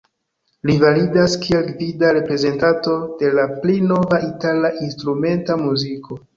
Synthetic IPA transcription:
livalidaskʰielkvidaɾe̞pɾe̞ze̞ntanto̞de̞laplino̞vaitalaʔinstɾume̞ntamuziko̞

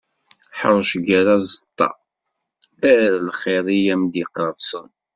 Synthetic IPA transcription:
ħə̰ɾˤʃəɡəɾazˤət̪ˤːɑ̰ | æɾlχɪɾˤijæmd̪iqɾɑðˤsˤən

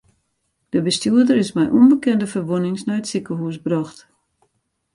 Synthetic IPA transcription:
d̥əbəstuədərɪsmɛjʔunbəkɛndəfərʋonɪŋsnajətsikəɦusbrɔxt

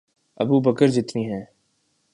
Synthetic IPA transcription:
ɐ̰bubəkəɾd͡ʒɪt̪niɦɛ̃ː

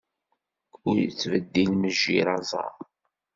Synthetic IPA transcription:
ʊjt͡sːvəd̪ːilməʒːiɾɑzˤɑ̰ɾˤ

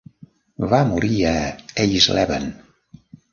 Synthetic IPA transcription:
βamuɾiəejzlɛβə̰n

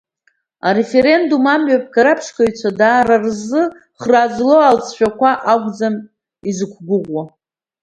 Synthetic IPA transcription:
aɾe̞fe̞ɾe̞ndumamɥap̚ʰkaɾapʰʃkʰaɥt͡ɕʷʰadaːɾarzɨ | χraːd͡zlo̞alt͡sʰʃᶣakʷʰaʔaɡʷd͡zam | izɨkʷʰɡʷʊʁʷwa

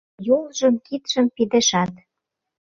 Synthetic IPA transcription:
jolˠʒɤ̆mkit̪ʃə̆mpid̪ĕʃɑt̪

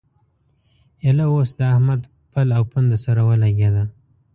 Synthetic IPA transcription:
elawosd̪əahmad̪ | pəlawpənd̪əsaɾawəlaɡʲed̪a

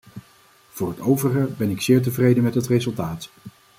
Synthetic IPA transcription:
v̥ʊːrɦətowvəχəbɛnɪksɪːɹt̬əvrejdəmɛtɦətrezɵlˠtaːt

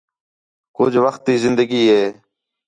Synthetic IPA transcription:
kʊd͡ʒʋəxt̪ːiːzɪnd̪əɡiːɦeː

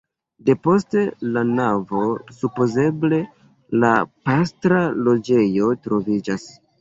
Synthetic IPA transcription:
de̞po̞ste̞lanavo̞supo̞ze̞ble̞ | lapastɾalo̞d͡ʒe̞jo̞tɾo̞vid͡ʒas

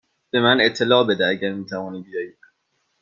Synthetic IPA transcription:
b̥e̞mænet̪ʰːe̞lɒːbe̞d̪ææɟæɾmiːt̪ʰævɒːnibijɒːjid̪̥

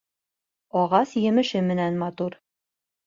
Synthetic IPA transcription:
ɒʁɑsjɘ̆mɘ̆ʃɘmɘ̆nænmɑt̪uɾ

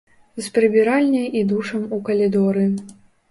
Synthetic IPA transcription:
zpɾɨbʲiɾalʲnʲɐjid̪uʂɐmukɐlʲid̪ɔɾɨ

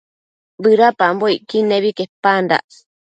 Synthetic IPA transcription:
bɨɾapamboiʔkineβikepand̪a̰ʔ

